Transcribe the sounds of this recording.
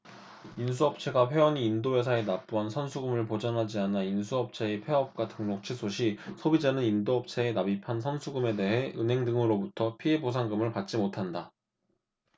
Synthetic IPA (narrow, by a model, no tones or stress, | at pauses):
insʰuʌp̚t͡ɕʰe̞ɡaɸʰweʌniːndoe̞sʰae̞nap͈uansʰʌnsʰuɡumɯɭpod͡ʑʌnɦad͡ʑianainsʰuʌp̚t͡ɕʰe̞ːpʰeʌp̚k͈watʰɯŋnok̚t͡ɕʰisʰoɕʰisʰobid͡ʑanɯnindoʌp̚t͡ɕʰe̞ːnabipʰansʰʌnsʰuɡume̞de̞ɦe̞ɯnɦe̞ŋdɯŋɯɾobutʰʌpʰie̞bosʰaŋɡɯmɯɭpat̚t͡ɕ͈imotʰanda